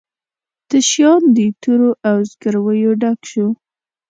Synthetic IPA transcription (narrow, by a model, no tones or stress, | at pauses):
d̪̥əʃjɑnd̪ət̪uɾoʔawzɡəɾwəjoɖakʃu